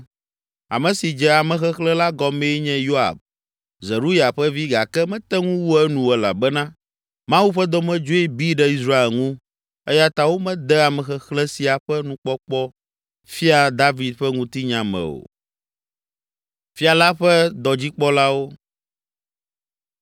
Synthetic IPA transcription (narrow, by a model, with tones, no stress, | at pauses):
a̰˨mɛ̃˨si˨d͡ʒɛ˨a˨mɛ̃˨xɛ˦xlɛ̃˦la˦ɡɔ˨mɛ˦ɲɛ̃˦jo˦a̰˨b | zɛ˨ɾu˦ja˨ɸɛ˦vi˦ɡa˨kɛ˦mɛ̃˦t̪ɛ˦ŋũ˦wu˦ɛ˦nũ˨ɛ˨la̰˨bɛ˦nã˦ | mã˦wu˦ɸɛ˦d̪ɔ˦mɛ̃˦d͡ʒo˦ɛ˦bi˦ɖɛ˦i˦sɾa˦e˨lŋũ˦ | ɛ˦ja˦t̪a˨wo˦mɛ̃˦d̪ɛ˦a˨mɛ̃˨xɛ˨xlɛ̃˦si˨a˨ɸɛ˦nũ˦k͡pɔ˦k͡pɔ˦ | fi˦a˨d̪a˦vi˨d̪̚ɸɛ˦ŋũ˦t̪i˦ɲã˨mɛ̰̃˨o̰˨ | fi˦a˨la˦ɸɛ˦d̪ɔ˨d͡ʑi˦k͡pɔ˦la˦wo˦